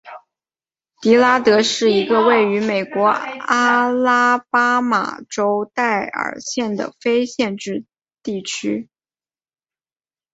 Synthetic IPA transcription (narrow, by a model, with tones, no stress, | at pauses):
t̪i˧˥la˥t̪ɤ˧˥ʂɻ̩˥˩i˧˥ɡə˧we˥˩ɪy˧˥me˨˩ɪkwɔ˧˥a˥la˥pa˥ma̰˨˩ʈ͡ʂo˥ʊt̪a˥˩ɪə̰˨˩ɕjɛ˥˩nd̪ə̰˩fe˥ɪɕjɛ˥˧nʈ͡ʂɻ̩˥˧ | t̪i˥˩t͡ɕʰy˥